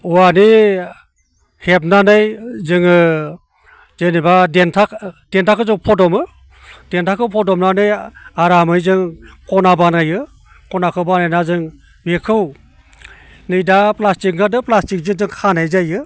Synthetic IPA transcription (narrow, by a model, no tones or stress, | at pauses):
uani | hep̚nanɯjzɯŋɯ | zenibadentʰakd̥entʰakʰɯzɯŋpʰɔdɔmɯ | d̥entʰakʰɯwpʰɔdɔmnanɯjaɾamɯjzɯŋkɔnabanajɯ | kɔnakʰɯwbanajnazɯŋ | bekʰɯw | nɯjdaplastik̚nadɯplastik̚zɯŋzɯŋkʰanajzajɯ